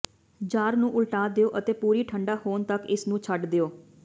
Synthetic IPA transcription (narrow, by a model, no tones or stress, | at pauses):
d͡ʒaːɾnũːʔʊlʈaːd̪eoːʔət̪eːpuːɾiːʈʰəɳɖaːhoːnt̪əkɪsnũːt͡ʃʰəʈd̪eoː